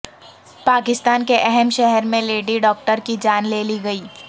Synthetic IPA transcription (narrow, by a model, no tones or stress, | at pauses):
paːkɪst̪aːnkeʔɛɦɛmʃɛɦɛɾmẽleːɖiɖɔːk̚ʈəɾkid͡ʒaːnleːliɡɐiː